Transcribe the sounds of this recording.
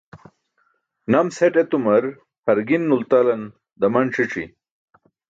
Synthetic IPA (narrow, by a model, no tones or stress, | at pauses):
nɐmseʈet̪umɐɾ | hɐɾɡinːult̪alɐn | d̪ɐmɐnʈ͡ʂʰiʈ͡ʂḭ